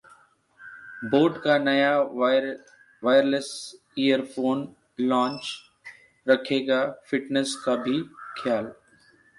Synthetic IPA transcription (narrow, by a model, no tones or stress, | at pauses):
boːʈkanɐja | ʋaːɪɾləs | iːjəɾfoːn | lãːɲt͡ʃ | ɾɐkʰeːɡafɪʈnəskabʱikʰjaːl